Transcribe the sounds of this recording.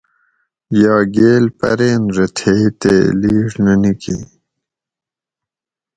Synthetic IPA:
jɑːɡeːlpɐ̰ɾeːnɾɐt̪ʰet̪ḛːliːʐnɐnikḭ

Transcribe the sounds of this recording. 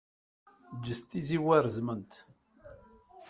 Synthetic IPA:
d͡ʒːəθt̪ːiziwæɾzmənt̪

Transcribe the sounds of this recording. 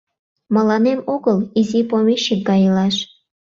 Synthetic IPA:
mə̆lɑnemoɣəlizipomeʃik̚ɡɑjilɑʃ

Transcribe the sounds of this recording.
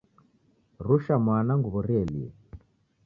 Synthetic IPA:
ruʃamwanaŋɡuβɔɾɛlḭɛ̰

